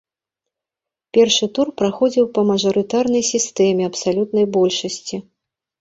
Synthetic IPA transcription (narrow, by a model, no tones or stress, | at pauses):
pʲɛrʂɨt̪urpɾaxɔd͡zʲiwpɐmɐʐɐɾɨt̪arnɐjsʲist̪ɛmʲɛɐpsalʲut̪nɐjbɔlʲʂɐsʲt͡sʲi